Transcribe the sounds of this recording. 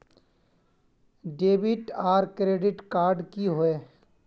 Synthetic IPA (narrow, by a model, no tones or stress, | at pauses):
ɖeːbɪʈaːɾkɾeːɖɪʈkaːɾɖkiɦoeː